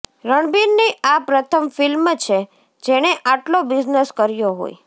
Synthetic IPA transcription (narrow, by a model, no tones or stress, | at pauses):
ɾəɳ̃biɾniʔapɾət̪ʰəmfilmt͡ʃʰe | d͡ʒeɽ̃eʔaʈlobizneskəɾjoɦo̰j